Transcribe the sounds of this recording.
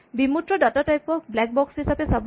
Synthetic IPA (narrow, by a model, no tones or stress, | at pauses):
bimut̪ɹɔɖɔtɔtajpɔblak̚bɔksɦisapesab